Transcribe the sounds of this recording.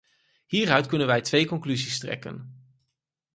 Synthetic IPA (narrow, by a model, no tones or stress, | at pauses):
hiːrœɥtkɵnənʋɛjtʋejkɔŋklyzistrɛ̰kə̰n